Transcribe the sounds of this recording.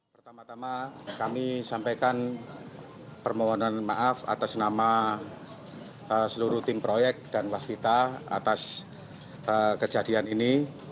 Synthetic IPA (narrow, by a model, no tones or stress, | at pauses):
pərt̪amat̪amakamisampajkan | pərmoɦɔnanmaʔafa̰t̪asnama | əsəluɾuht̪ɪmpɾojɛk̚d̥anwaskit̪aa̰t̪as | əkəd͡ʒadianini